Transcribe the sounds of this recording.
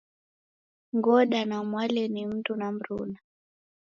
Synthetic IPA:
ŋɡɔɗanamwalɛnim̩tunam̩ɾṵna

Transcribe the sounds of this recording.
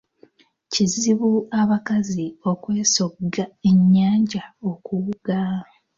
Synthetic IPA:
ciziβuaβakazio̞kwe̞ːso̞ɡae̞ɲːaːɲɟao̞kuuɡ̥a

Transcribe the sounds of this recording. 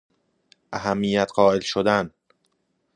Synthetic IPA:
ʔæɦæmːijæt̪ʰɢɒːelʃod̪æn

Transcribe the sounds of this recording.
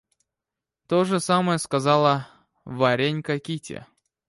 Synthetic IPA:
t̪oʐɨsaməjəskazɑlˠə | vaɾʲenʲkakʲitʲḛ

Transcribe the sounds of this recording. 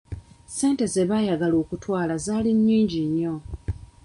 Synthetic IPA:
se̞ːnte̞ze̞βajaɡaloːkutwaːlazaːliɲːiːɲɟiɲːo̞

